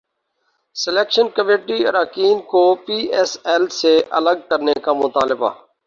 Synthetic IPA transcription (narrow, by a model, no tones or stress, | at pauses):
sɪleːkʃənkəmeːʈiə̰ɾaːkiːnkoːpiːʔɛːsɛlseʔə̰ləɡ̚kəɾnekamʊt̪aːlɪba̰ː